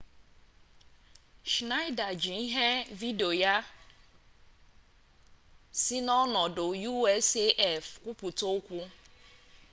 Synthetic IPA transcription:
ʃna˦ɪ˦da˨d͡ʒi˨i˦ɦe˦vi˦do˨ja˦ | si˦nɔ˦nɔ˨dʊ˨ju˦ɛ˦se˦ʔɛ˦˨fkʷu˦pu˨to˦kʷu˦

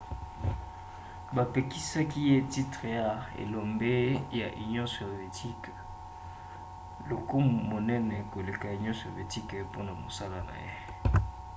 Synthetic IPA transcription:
ba˨pe˨ki˦sa˦ki˦je˦ti˦tʁe˨ja˦ḛ˨lo˨mbe˦ja̰˨ʔi˨nɔ̃˦so˨ve˨tʰi˦k | lo˨ko˦mmo˨nɛ˦nɛ˨ko˨le˨ka˨i˨ɲɔ̃˦so˨ve˨ti˦kpo˦na˨mo̰˨sa˦la˦na̰˨jḛ˦

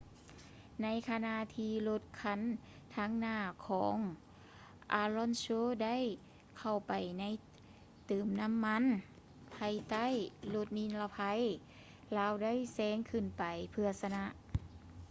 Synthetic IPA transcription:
na˧˥˨jkʰa˧na˧ʔt̪ʰiː˧lo˧t̪̚kʰa˧˥n | t̪ʰaː˧˥˨ŋnaː˧˩kʰɔː˨˦ŋ | ʔaː˧lɔ˧˥˨nsoː˧˥˨da˥˨j | kʰa˧˩wpa˨˩jna˧˥j | t̪ɯː˨˩mna˧˥˨mːa˧˥˨n | pʰa˧˩jt̪a˥˨jlo˧t̪̚ni˧˥nla˧pʰa˧˥j | laː˧˥wda˥˨jsɛː˧˥ŋkʰɯ˧˩npa˨˩jpʰɯ˧ɐsa˧na˧˥ʔ

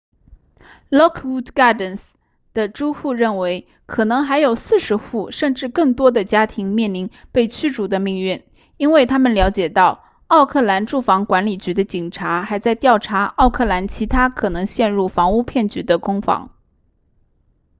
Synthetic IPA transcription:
lɔ˥kʰwu˥t̪ɡɑ˥d̪ə˨˩ns | d̪̥ə˨ʈ͡ʂu˥xu˥˧ɻə˥˩nwe˧˥ɪ | kʰɤ˨˩nɤ˧˥ŋxa˧˥ɪjo˨˩ʊsɹ̩˥˩ʂɻ̩˧˥xu˥˩ʂə˥˧nʈ͡ʂɻ̩˥˧kɤ˥˩ŋt̪wɔ˥d̪ə˨t͡ɕja˥t̪ʰi˧˥ŋmjɛ˥˩nli˧˥npe˥˩ɪt͡ɕʰy˥ʈ͡ʂu˨˩d̪ə˦mi˥˧ŋɥy˥˩n | i˥nwe˥˩ɪt̪ʰa˥mə˨nljɑ˧˥ʊt͡ɕjɛ˨˩t̪ɑ˥˩ʊ | ɑ˥˧ʊkʰɤ˥˩la˧˥nʈ͡ʂu˥˩fɑ˧˥ŋkwa˧˥nli˨˩t͡ɕy˧˥d̪ə˧t͡ɕi˨˩ŋʈ͡ʂʰa˧˥xa˧˥ɪt͡sa˥˧ɪt̪jɑ˥˩ʊʈ͡ʂʰa˧˥ɑ˥˧ʊkʰɤ˥˩la˧˥nt͡ɕʰi˧˥t̪ʰa˥kʰɤ˨˩nɤ˧˥ŋɕjɛ˥˧nɻu˥˩fɑ˧˥ŋu˥˧pʰjɛ˥˩nt͡ɕy˧˥d̪ə˧kʊ˥ŋfɑ̰˧˥ŋ

